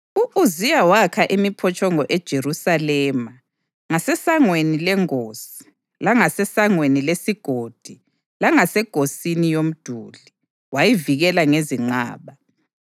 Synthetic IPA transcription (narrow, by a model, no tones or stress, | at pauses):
uʔuzijawakʰaʔimipʰɔt͡ʃʼɔŋɔʔɛd̥ʒ̥ʱerusalɛma | ŋasɛsaŋwenilɛŋoːsi̥ | laŋasɛsaŋwenilesiɡ̥ʱod̥ʱi | laŋasɛɡ̥ʱosinijom̩d̥ʱuli | wajiviɣɛlaŋeziŋ͡ǃa̰ːβa